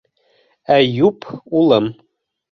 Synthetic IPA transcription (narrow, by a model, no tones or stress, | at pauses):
æjupulˠɤm